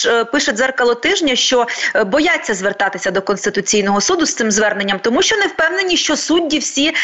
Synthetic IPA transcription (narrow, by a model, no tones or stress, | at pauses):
pɪʃɛzɛrkɐlˠɔt̪ɪʒnʲɐʃt͡ʃɔbɔjɑt͡sʲːɐzʋert̪ɑt̪ɪsʲɐd̪ɔkɔnst̪ɪt̪ʊt͡sʲijnɔɦɔsud̪ʊst̪sɪmzʋɛrne̞nʲːɐmt̪ɔmuʃt͡ʃɔnɛwpɛwne̞nʲiʃt͡ʃɔsudʲːiwsʲi